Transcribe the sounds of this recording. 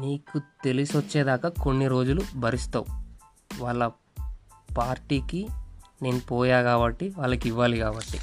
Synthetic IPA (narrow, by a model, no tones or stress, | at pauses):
niːkut̪e̞lisʋɐt͡ʃːeːd̪aːkɐko̞nːiɾo̞ːd͡ʒulubʱɐɾist̪aːu | ʋaːɭːɐ | paːɾʈiːkine̞ːnupɔːjaːɡaːbɐʈːiʋaːɭːɐkiʋːaːliɡaːbɐʈːi